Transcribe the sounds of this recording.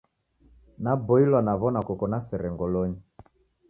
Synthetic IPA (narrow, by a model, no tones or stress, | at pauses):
nabɔilwanaβɔnakɔkɔnasɛɾɛŋɡɔlɔɲi